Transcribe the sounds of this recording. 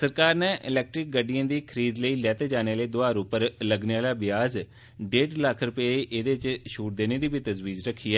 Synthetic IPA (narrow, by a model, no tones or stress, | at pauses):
səɾkaːɾnɛːʔɪlɛːk̚ʈɾɪk̚ɡəɖːijãːd̪iːkʰəɾiːd̪ləiːlɛːt̪eːd͡ʒaːneːleiːd̪ʊaːɾuːpəɾləɡneːaːlaːbɪjaːz | ɖeːɖləkʰɾʊpeːiʔed̪eːt͡ʃʃuːʈ̚d̪eːneːd̪iːbiːt̪əzʋiːzɾəkʰːiːɛː